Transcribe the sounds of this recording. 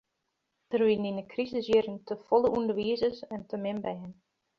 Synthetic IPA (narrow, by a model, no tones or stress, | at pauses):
d̥ərʋininəkrizəsjiɾəŋtəfɔləʔundəʋiəzəsɛntəmɪmbɛjən